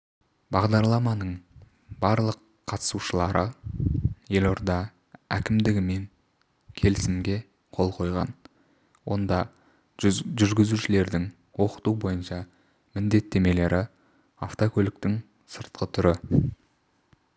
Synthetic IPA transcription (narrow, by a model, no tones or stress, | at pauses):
bɑʁd̪ɑɾlˠɑmɑnəɴ | bɑɾlˠəqʰːɑt̪ə̥suʃəlˠɑɾʔə | je̞lo̞ɾd̪ɑ | ækʲɪmd̪ɪɡʲɪme̞ŋ | kʲʰe̞lɪsɪmɡʲe̞ | qʰo̞lˠqʰo̞jʁɑ̰n | wo̞̰nd̪ɑ | ʒʏɾɡʲɪzuʃɪle̞ɾd̪ɪŋ | wo̞qə̥t̪ubo̞jənʃɑ | mɪnd̪e̞t̪ːe̞me̞le̞ɾɪ | a̰ft̪okʲʰɵlɪk̚t̪ɪŋ | səɾt̪̚qət̪ʰʏɾɪ